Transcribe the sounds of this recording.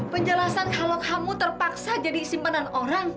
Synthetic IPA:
pəɲd͡ʒəlasankalokamut̪ərpaksad͡ʒadisimpənanoɾaŋ

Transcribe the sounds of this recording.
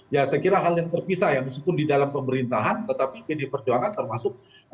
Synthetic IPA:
jasəkiɾaɦaljaŋt̪ərpisajaməskipʊndidalampəməɾint̪aɦant̪ət̪apipidipərd͡ʒuaŋant̪ərmasʊk̚

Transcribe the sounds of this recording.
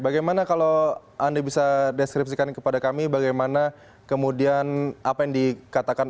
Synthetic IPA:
baɡajmanakalo | ʔandabisadɛskɾip̚sikankəpadakamibaɡajmana | kəmudianapajaŋdikat̪akan

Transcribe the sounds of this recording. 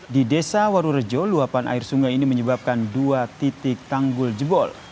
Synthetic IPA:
didesawaɾuɾəd͡ʒɔluapanʔa̰ɪrsuŋajiniməɲəbap̚kanduat̪it̪ɪk̚t̪aŋɡʊld͡ʒəbɔl

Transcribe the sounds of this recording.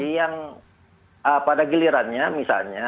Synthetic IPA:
ijaŋ | əpadaɡiliɾanɲamisa̰lɲa

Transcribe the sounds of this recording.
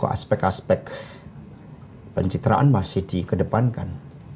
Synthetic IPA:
ko̰ʔa̰spɛk̚aspɛk | pəɲt͡ʃit̪ɾa̰ʔanmasɪhdikədəpanka̰n

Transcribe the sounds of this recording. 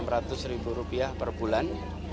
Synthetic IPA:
mɾat̪ʊsɾibuɾupiahpərbulan

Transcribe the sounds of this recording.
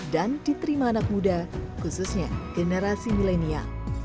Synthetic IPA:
dandit̪əɾimaːnak̚mudakususɲaɡ̥ənəɾasimilenia̰

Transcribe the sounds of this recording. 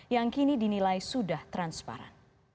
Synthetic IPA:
jaŋkinidinilajsudaht̪ɾanspa̰ɾa̰n

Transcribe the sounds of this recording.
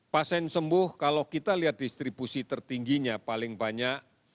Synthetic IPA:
pasɛnsəmbʊhkalokit̪aliɦat̪̚d̥ist̪ɾibusit̪ərt̪iŋɡiɲapalɪŋbaɲaʔ

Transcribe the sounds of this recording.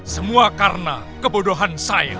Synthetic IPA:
səmuakarəna̰ | kəbodoɦansaɪ̰

